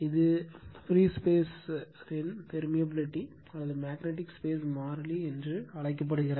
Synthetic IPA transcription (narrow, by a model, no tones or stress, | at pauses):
ɪðɯfɾiːspeːs | ɾɪnt̪ɛɾmɪjɐbɪlɪʈːi | ɐlːɐðɯmaːknɛʈ̬ːɪkspeːs̬maːɾɐliɛndrɯɐɭɐɪk̬ːɐp̬ːɐɽɯɣɪɾɐ